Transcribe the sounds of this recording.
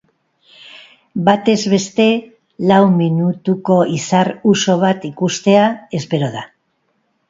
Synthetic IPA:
bat̪e̞zβe̞st̪e̞ | lawminut̪uko̞isaruso̞β̞at̪ikust̪e̞ae̞spe̞ɾo̞ða

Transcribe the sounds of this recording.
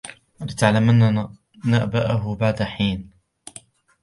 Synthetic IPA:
ʔalɪt̪aʕlamʔanːa | naʔbaːʔaɦʊbaʕd̪aħiːn

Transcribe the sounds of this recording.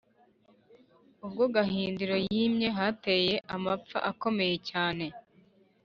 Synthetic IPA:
ub̚ɡo̞ɡaɦiːnduɾo̞jiːmɲe̞ɦate̞ːje̞ʔamap͡fa̰ʔako̞me̞je̞caːne̞

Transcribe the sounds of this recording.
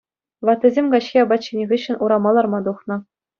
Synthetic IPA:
ʋɑt̪ʲːɘ̆zʲemʲɡɑɕxʲiɑbɑt̪t͡ɕːinʲeʁʲɘɕːɘ̆nʔuɾɑmɑlˠɑrmɑd̪uχnɤ̆

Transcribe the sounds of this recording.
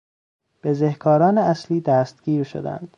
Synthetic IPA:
b̥ezehkʰɒːɾɒːneæsliːd̪æst̪̚ɡ̥ʲiːɾʃo̰d̪æ̰nd̪̥

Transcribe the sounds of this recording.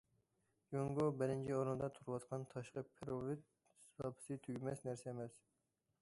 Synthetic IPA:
juŋɡobɪɾɪnt͡ʃʰioɾɨnd̪ɑt̪ʰuɾwɑt̪qʰɑnt̪ʰɑʃqɑpʰeɾovit̪̚ | sbɑpʰɨ̥sɨt̪ʰyɡʲmɛsnæɾsɛemɛs

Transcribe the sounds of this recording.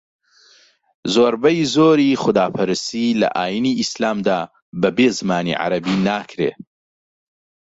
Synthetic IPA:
zoːɾbɐjzoːɾixʊd̪aːpʰɨɾɨsilɐ̰ʔaːjiniʔislaːmd̪aː | bɐbeːzɨmaːnḭʕa̰ɾɐbiːnaːkʰɾḛː

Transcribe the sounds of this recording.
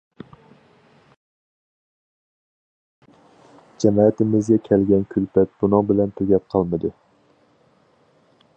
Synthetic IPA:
d͡ʒɛmɑːt̪ʰɪmɪzɡʲɛkʲʰɛlɡʲɛnkʲʰylpɛt̪̚bunɨŋbɪlɛnt̪ʰøɡʲɛp̚qʰɑlˠmɨd̪u

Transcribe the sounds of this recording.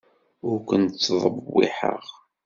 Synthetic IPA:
ʊɾkʷənt͡sːðˤəbːḭħə̰ʁ

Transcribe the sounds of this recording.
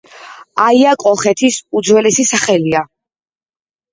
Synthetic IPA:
aiakʼɔχɛt̪ʰisud̪zwɛlɛsisaχɛlia

